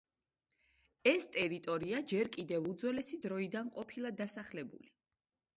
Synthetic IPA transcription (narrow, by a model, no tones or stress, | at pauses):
ɛst̪ʼɛɾit̪ʼɔɾiad͡ʒɛɾkʼid̪ɛvud̪zwɛlɛsid̪ɾɔid̪anqʼɔpʰilˠad̪asaχlɛbṵli